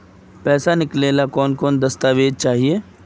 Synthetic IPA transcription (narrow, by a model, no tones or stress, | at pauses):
pɛːsanɪkleːlakɔːnkɔːnd̪ɐst̪aːʋeːd̪̚t͡ʃaːɦieː